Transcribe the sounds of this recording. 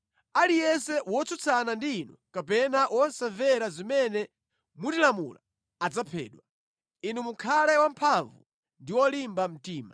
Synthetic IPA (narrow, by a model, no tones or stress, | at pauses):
alijɛnsɛwɔt͡sut͡sʰanandiːnɔkapɛnawʔɔnsavɛɾazimɛnɛ | mutilamṵla̰ | ad͡zapʰɛ̰ːɗwa | inumukʰalɛwampʰaɱvu | ndiwɔlimbam̩tiːma